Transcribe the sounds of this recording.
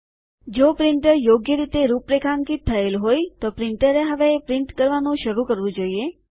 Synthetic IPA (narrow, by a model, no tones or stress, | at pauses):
d͡ʒopɾɪɳʈəɾjoɡjəɾit̪eɾupɾekʰaŋkit̪ʰːəelɦojt̪opɾɪɳʈəɾeɦəʋepɾɪɳʈkəɾʋanũʃəɾũkəɾʋũd͡ʒoie